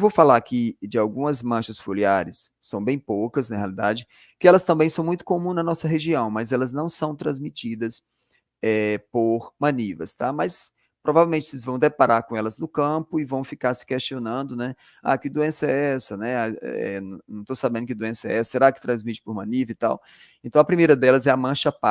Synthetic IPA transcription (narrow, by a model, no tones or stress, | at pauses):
vowfalakɪd͡ʒɪawɡũmɐzmɐ̃ʃɐsfoliaɾɪsːɐ̃w̃bẽj̃pokɐsnɐhealid̪ad͡ʒɪ | kɪɛlɐst̪ɐ̃mbẽj̃sɐ̃w̃mũj̃t̪ʊ̥komũznɐnɔsɐɦeʒiɐ̃w̃mɐzɛlɐznɐ̃w̃sɐ̃w̃t̪ɾɐ̃zmit͡ʃid̪ɐs | ɛpoɾmɐ̃nivɐst̪amɐs | pɾʔovavewmẽnt͡ʃɪelɪzvɐ̃w̃d̪epaɾaɾkõɛlɐznʊkɐ̃pʊɪvɐ̃w̃fikaɾsɪ̥kest͡ʃionɐ̃nd̪ʊnɛ | a̰kɪd̪uẽsɐɛɛsɐnɛa̰ɛ̰ñnɐ̃w̃t̪osabẽnd̪ʊkɪd̪uẽsɐɛɛsɐseɾakɪ̥t̪ɾɐ̃zmit͡ʃɪ̥poɾmɐ̃nivɐɪt̪a̰w | ẽt̪ɐ̃w̃ɐpɾimejɾɐd̪ɛlɐzɛɐmɐ̃ʃɐpa